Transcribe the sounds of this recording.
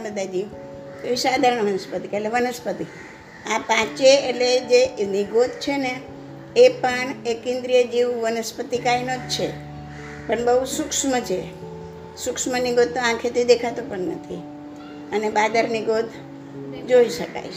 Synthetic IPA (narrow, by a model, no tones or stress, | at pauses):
bəd̪ʱad͡ʒiʋ | eʋiʃad̪ʱaɾəɳ̃ʋənəspət̪ikeʈleʋənəspət̪i | apãt͡ʃeːʈled͡ʒeniɡot̪̚t͡ʃʰeneː | pəɳekɪ̃nd̪ɾijəd͡ʒiʋʋənəspət̪ikainot͡ʃʰe | pəɳbəɦusukʃmət͡ʃʰe | sʊkʃməniɡod̪nõãkʰet̪id̪ekʰat̪opəɳnə̰t̪ʰi | ənebad̪əɾniɡot̪ʰ | d͡ʒoiʃəka̰jʰ